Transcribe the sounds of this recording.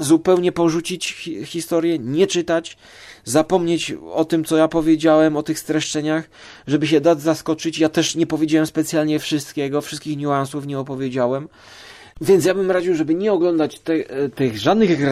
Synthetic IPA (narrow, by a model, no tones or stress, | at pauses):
zupɛwɲɛpɔʐut͡ɕit͡ɕxʲist̪ɔɾjɛɲɛt͡ʂɘt̪at͡ɕ | zapɔmɲet͡ɕɔt̪ɘmt̪sɔjapɔvʲjed͡ʑawɛmɔt̪ɘxst̪ɾɛʂt͡ʂɛɲax | ʐɛbɘɕ̬ɛd̪ad̪zaskɔt͡ʂɘt͡ɕjat̪ɛʂɲɛpɔvʲjed͡ʑawɛmspɛt̪sʲjalɲɛfʂɨst̪kʲɛɡɔfʂɨst̪kʲixɲuansufɲɛɔpɔvʲjed͡ʑawɛm | vʲjɛnt̪ʲjabɘmɾaʑɛʐɛbɘɲɛɔɡlɔnd̪at͡ɕt̪ɛt̪ɘɣʐad̪nɘɣɡ